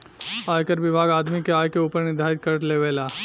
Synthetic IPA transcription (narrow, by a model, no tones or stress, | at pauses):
aːjkəɾʋɪbʱaːɡaːd̪mikeaːjkeuːpəɾnɪd̪ʱaːɪt̪̚kɐɾʈleːʋeːlaː